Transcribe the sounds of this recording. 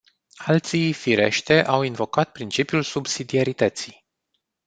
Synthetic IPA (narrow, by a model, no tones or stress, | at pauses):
alt̪sijfiɾe̞̰ʃt̪eʔawinvo̞kat̪̚pɾint͡ʃipijulsubsid̪iaɾit̪ət̪si